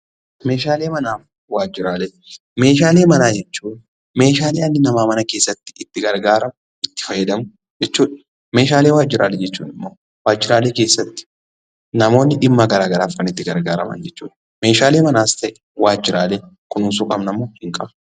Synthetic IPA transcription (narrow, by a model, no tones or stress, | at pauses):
meːʃaːle̞ːmɐnaːf | waːd͡ʒːɪɾaːlɛ | me̞ːʃaːle̞ːmɐnaːd͡ʒɛt͡ʃːuːᶑ | me̞ːʃaːleːɐnːɪnɐmaːmɐnɐkeːsːɐt̪ːɪ̥ɪt̪ːɪɡɐɾɡaːɾɐmʊ | ɪt̪ːɪ̥fɐjːɛd̪ɐmʊ | d͡ʒɛt͡ʃːuːᶑɐ̥ | me̞ːʃaːle̞ːwaːd͡ʒːɪɾa̰ːlɛd͡ʒɛt͡ʃːṵːᶑɪmːoː | waːd͡ʒːɪɾaːleːke̞ːsːɐt̪ːɪ̥ | nɐmo̞ːnːɪᶑɪmːɐɡɐɾaːɡɐɾaːfkɐnɪt̪ːɪɡɐɾɡaːɾɐmɐ̰nd͡ʒɛt͡ʃːṵːᶑ | me̞ːʃaːleːmɐnaːst̪ɐʔɛ̥ | waːd͡ʒːɪɾaːlekʊnʊnsʊkʼɐbnɐmːoːhɪŋkʼɐb